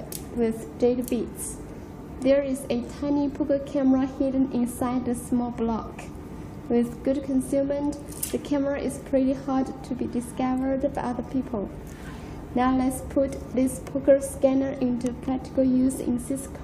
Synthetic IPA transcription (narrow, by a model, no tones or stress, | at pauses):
wɪð | d̥eɪɾəbits | ðə˞ɪzɨtʰãɪ̃nipʰʊkə˞kʰæməɹəhidə̃n̩ɪ̃nsaɪd̪̚ðɨsmɔlˠblɑk | wɪðɡ̥ʊd̚kʰə̃nsʉmə̃n | ðɨkʰæməɹɨʔɪz̥pʰɹ̥ɪɾihɑɹdtʰɨbidɨskʌvə˞dbaɪʔʌðə˞pʰipʰəlˠ | naʊlɛtspʰʊt̪ðɪspʰʊkə˞skænə˞ʔɪ̃ntupʰɹ̥æk̚tɪ̥kəlˠjʉzɪ̰̃nsɪskʰ